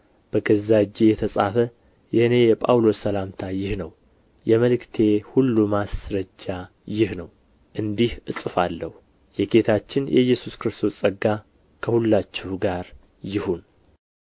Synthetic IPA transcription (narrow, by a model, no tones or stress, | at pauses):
b̥əɡəzad͡ʒːejɛt̪ʰəsʼa̰fə | jɪhɨne̞jɛpʼa̰wlo̞sːəlamt̪ʰajɪhnəw | jɛməlɨkt̪ʰe̞hulːumasɾəd͡ʒːa | jɪhnəw | ʔɨnd̪ihʔɨsʼɨfalːəhu | jɛɡe̞t̪ʰat͡ʃːɪnjɛ̰jːɛsuskɨɾɨst̪ʰo̞sʼəɡːa | kʰəhulːat͡ʃːɪhɡaɾ | jɪhun